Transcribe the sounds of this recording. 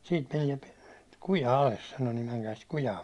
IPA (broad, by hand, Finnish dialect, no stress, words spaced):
siːt menie kujɑ ɑles sɑno nim mæŋkæː sit kujɑː